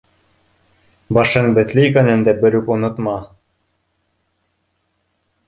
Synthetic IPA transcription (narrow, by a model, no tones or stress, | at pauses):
bɑʃɤŋbɘ̆t̪lɘikænɘ̆nd̪æbɘ̆ɾʉkŭnŏt̪mɑ